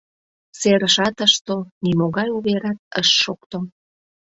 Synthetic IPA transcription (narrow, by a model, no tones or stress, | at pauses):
seɾəʃɑt̪əʃt̪onimoɣɑjuβeɾɑt̪̚ə̰ʃːokt̪o